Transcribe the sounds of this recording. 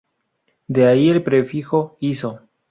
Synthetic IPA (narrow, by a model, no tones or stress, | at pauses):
d̪eaielpɾefixo̞iso̞